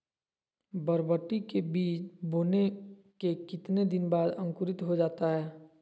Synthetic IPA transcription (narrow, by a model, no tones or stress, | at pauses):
bəɾbəʈːikebiːt͡ʃboːne | kekɪt̪ned̪ɪnbaːd̪ə̃ŋkʊɾɪt̪ɦod͡ʒaːt̪aɦɛː